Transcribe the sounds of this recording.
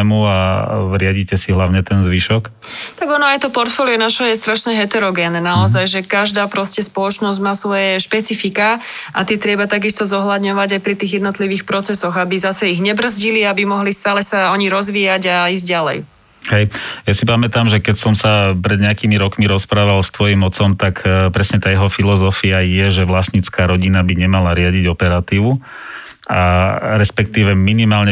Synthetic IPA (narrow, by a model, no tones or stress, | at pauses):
muaɾɪaɟicɛsiɦlaʊɲɛt̪ɛnzʋiʃɔk | t̪aɡɔnɔajt̪ɔpɔɾt̪fɔːliɛnaʃɔjɛst̪ɾaʃɲɛɦɛt̪ɛɾɔɡɛːnnaɔzajʒɛkaʒd̪aːpɾɔscɛspɔlɔt͡ʃnɔzɟmaːsʋɔjɛʃpɛt͡sifika | ʔat̪ɪɛt̪ɾɛbat̪aɡist̪ɔzɔɦlad̪ɲɔʋaɟajpɾit̪iːɣjɛd̪nɔt̪liʋiːxpɾɔt͡sɛsɔɣabizasɛiɣɲɛbr̩zɟiliabimɔɦlist̪aːlɛsaɔɲiɾɔzʋiːjaɟaiːzɟalɛ̰j | ɦɛjjasipamɛt̪amʒɛkɛcsɔmsapɾɛd̪ɲɛakiːmiɾɔkmiɾɔspɾaːʋalst̪ʋɔjimɔt͡sɔmt̪akpɾɛsɲɛt̪aːjɛɦɔfilɔzɔfiajɛʒɛʋlasɲit͡skaːɾɔɟinabiɲɛmalaɾɪaɟiɟɔpɛɾat̪iːʋu | a̰ɾɛspɛk̚t̪iːʋɛminimaːlɲɛ